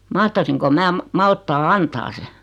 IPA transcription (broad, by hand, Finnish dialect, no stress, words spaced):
mɑhtɑsiŋko mæː mɑ mɑltːɑː ɑntɑː se